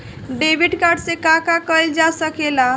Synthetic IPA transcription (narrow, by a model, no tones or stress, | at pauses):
ɖebʱiɖkaɾɖsẽkãkakəjld͡ʒasəkela